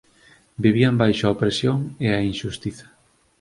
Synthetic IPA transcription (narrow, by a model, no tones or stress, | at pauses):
biβ̞iambajʃoaopɾesjoŋeainʃust̪iθɐ̥